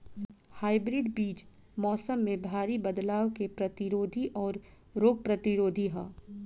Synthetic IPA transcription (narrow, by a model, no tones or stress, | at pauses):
haːɪbɾɪɖbiːt͡ʃ | mɔːsəmːẽbʱaːɾibɐd̪laːʋkepɾɐt̪ɪɾoːd̪ʱiʔɔːɾ | ɾoːɡ̚pɾɐt̪ɪɾoːd̪ʱiɦɛ̃ː